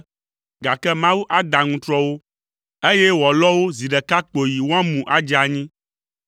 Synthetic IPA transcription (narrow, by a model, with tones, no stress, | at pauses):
ɡa˨kɛ˦mã˦wu˦ʔa˦d̪a˨ŋũ˦t̪ɾɔ˦wo˦ | e˦jɛ˦wɔ˨lɔ˦wo˦zi˨ɖɛ˨ka˦k͡po˨ji˨wo˦ã˦mũ˨ʔa˦d͡ʒa˨ɲĩ˦